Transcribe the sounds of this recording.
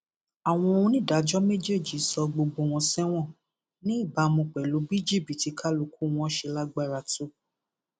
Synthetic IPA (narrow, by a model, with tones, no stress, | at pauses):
a˨w̃ɔ̃˧o˧ũ˧nĩ˦˨da˨˦d͡ʒɔ˦me˦d͡ʒe˦˨d͡ʒi˨˦sɔ˧ɡ͡bo˧ɡ͡bo˧w̃ɔ̃˧sɛ˦w̃ɔ̃˦˨ | nĩ˦i˦˨ba˧mũ˧k͡pɛ˨lu˨˦bi˦d͡ʒi˦˨bi˨ti˨˧˦kʰa˦lu˧ku˦˨w̃ɔ̃˧˦ʃe˧la˦ɡ͡ba˦˨ɾa˧tu˦